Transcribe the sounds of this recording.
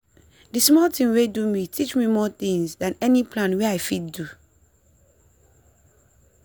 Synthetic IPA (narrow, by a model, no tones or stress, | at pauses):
dɨsmɔltĩmwedumitʰit͡ʃmimɔθĩŋsdãnɛnipʰlãnwɛaɪfid̚du